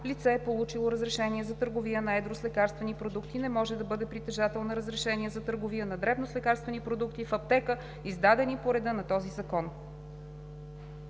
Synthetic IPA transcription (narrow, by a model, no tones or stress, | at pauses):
lit̪sɛːpolˠut͡ʃilˠoɾəzɾɛʃɛniɛzɐt̪ɤɾɡovijənɐɛd̪ɾoslɛkaɾst̪vɛnipɾod̪ukt̪inɛmɔʒɛd̪ɐbɤd̪ɛpɾit̪ɛʒat̪ɛlˠnɐɾəzɾɛʃɛniɛzɐt̪ɤɾɡovijənɐd̪ɾɛbnoslɛkaɾst̪vɛnipɾod̪ukt̪ifɐp̚t̪ɛkə | izd̪ad̪ɛnipoɾɛd̪ɤnɐt̪ɔzizɐkɔn